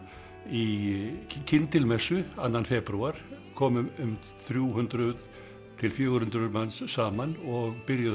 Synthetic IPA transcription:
i | cʰɪnt̪ɪlmɛsʏanːanfɛːpɾuaɾ̥kʰɔːmʏʏm | θɾjuːhʏnt̪ɾʏð | t̪ʰɪlfjœːɣɾhʏnt̪ɾʏðmanssaːmanɔɣpɪɾja

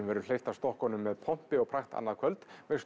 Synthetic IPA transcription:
mvɛɾʏl̥ejft̪ḁst̪ɔhkɔnʏmːɛðpʰɔm̥pɪɔɣpʰɾaxt̪a̰nːaðkʰvœlt̪mɛs

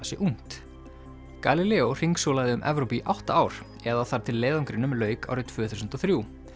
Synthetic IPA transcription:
sjɛʔuŋ̥t̪ | kalilɛːor̥iŋksowlaðɪʏmʔɛ̰vɾowpiʔawht̪aaːwɾ̥ | ɛðaθaɾ̥t̪ʰɪlːɛːðɔŋkɾɪnʏmlœːɥka̰wɾɪt̪ʰvʏːθusʏnt̪ɔθɾju

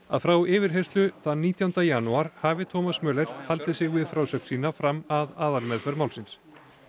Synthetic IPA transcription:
aðfɾawɪːvɪɾ̥ɦe̥st̪lʏθaðniːt̪jawnt̪ajanuaɾ̥haːvɪt̪ʰɔːmasmœːlɛɾ̥halt̪ɪsɪɣvɪðfɾawsœk̪siːnafɾamaðaːðalmɛðfɛɾmaw̪sɪns

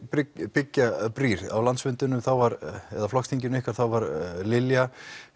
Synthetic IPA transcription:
pɪpɪcːapɾiːɾa̰wlant̪svɪnt̪ʏnːʏmθawvaɾɛðaflɔxst̪ʰiɲc̬ɪnɪhkvaɾ̥θawvaɾlɪlja

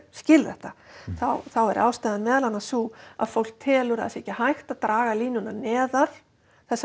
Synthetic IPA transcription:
scɪlðɛht̪aθawθawɛɾʔa̰ːwst̪ajðanmɛːðalanːasua̰ðfowl̥k̚t̪ʰɛːlʏɾa̰ðsɛcɪhajxt̪aðt̪ɾaːɣaliːnʏnanɛːðaɾ̥ | θɛsːa

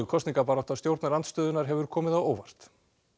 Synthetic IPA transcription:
kʰɔst̪niŋkapaɾat̪ast̪jowɾt̪naɾant̪st̪œːðʏnaɾ̥ɦɛvʏɾ̥kʰɔːmɪðawoːwvar̥t̪

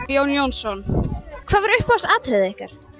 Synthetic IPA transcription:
joːwnjownsɔnkʰv̥aːðvɛɾʏhpaasaːt̪hɪðɪehka̰ɾ̥

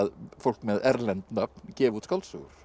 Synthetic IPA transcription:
ðfɔlkmeːðæɾlɛnt̪nɑpkʰeːʋut̪skɑlsṵːɾ

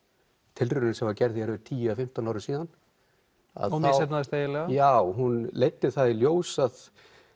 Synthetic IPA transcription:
t̪ʰɪlrʏɾnsɛmvaɾcɛɾðɪhɛɾvʏt̪ʰiːjafɪm̥t̪ɔnawɾɪ̥siːðan | a̰ðθsɛnaðɪst̪eːjɪlɛɣajaːwɦunleːjt̪ːɪθaðiljoːwsað

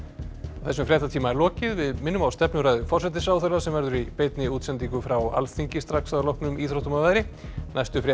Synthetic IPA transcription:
θɛsʏmfɾɛt̪̬at̪ʰiːmaɛɾlɔːcɪðvɪðmɪnːʏmawst̪ɛpnʏɾaːjðʏfɔrsɛt̪ɪsaːwθœɾlasɛmvɛɾðʏɾipejt̪nɪuːt̪sɛnt̪iŋkʏfɾawa̰lθiɲcɪst̪ɾaksaðlɔhpnʏmiːθɾowht̪umavaðɾɪnajst̪ʏfɾɛ

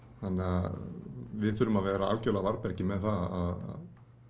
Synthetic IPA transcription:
θanːɪa | vɪðθʏɾʏmavɛːɾaalcœlavaɾpɛɾ̥cɪmɛðθaaða̰ð

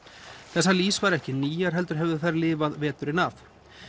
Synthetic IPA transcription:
θɛsːaliːsvaɾɛhcɪniːjaɾ̥ɦɛlt̪ʏɾ̥ɦɛvðʏθaɾlɪːvaðvɛːt̪ʏɾɪnaf

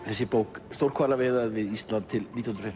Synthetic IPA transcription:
θɛsːɪpowkst̪owɾ̥kʰvaːɾlavɛːðaðvɪðist̪lant̪ʰːɪlnit̪janɾfɪm

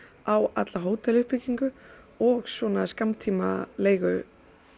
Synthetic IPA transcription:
awa̰t̪laɦoːwt̪ʰɛlʏhpɪcːiŋkʏ | ɔɣswɔnaskamt̪ʰiːma̰ðleːjɣʏ

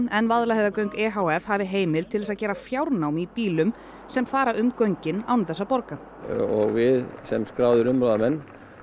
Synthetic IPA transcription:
ɛnvaðlaheðakœɥŋkɛːɦawɛfhaːvɪɦeːjmɪlt̪ʰɪlðɛsaðcɛːɾafjawɾnawmipiːlʏm | sɛmfaːɾaʏmkœɥɲcɪnawnθɛsːapɔɾka | ɔɣvɪðsɛmskɾaːwðʏɾʏmɾaðamɛnː

